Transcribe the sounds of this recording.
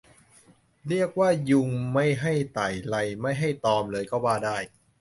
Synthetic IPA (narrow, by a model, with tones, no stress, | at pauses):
ɾi˥˩ək̚waː˥˩ju˧ŋma˥˩jɦa˥˩jt̪aː˨˩jla˧jma˥˩jɦa˥˩jt̪ɔː˧mlɤː˧jkɔː˥˩waː˥˩daː˥˩j